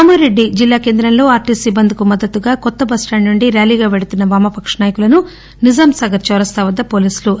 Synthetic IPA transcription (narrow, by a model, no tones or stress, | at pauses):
aːmɐɾeɖːid͡ʒilːaːke̞ːnd̪ɾɐmlo̞ːaːɾʈisibːɐnd̪ikumɐd̪ːɐt̪ːuɡaːkɔt̪ːɐbɐsʈaːɳɖnuɳɖiɾjaːliːɡaːʋeɽut̪unːɐʋaːmɐpɐkʂɐnaːjɐkulɐnu | nid͡ʒaːmsɐɡɐɾt͡ʃɔːɾɐst̪aːʋɐd̪ːɐpo̞ːliːslu